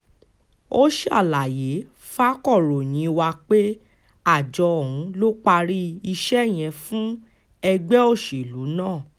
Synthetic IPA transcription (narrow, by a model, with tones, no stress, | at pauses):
o˦ʃi˦a̰˦˨la˨je˨˦ | fa˦kɔ˦˨ɾo˨ɲ̃ĩ˨˦˧wa˧k͡pe˦ | a˦˨d͡ʒɔ˧ɔ˨ũ˨˧˦lo˦k͡pa˧ɾi˦i˧ʃɛ˦˨j̃ɛ̃˧fũ˦ | ɛ˧ɡ͡bɛ˦o˦˨ʃi˨lu˨˦nãː˦˨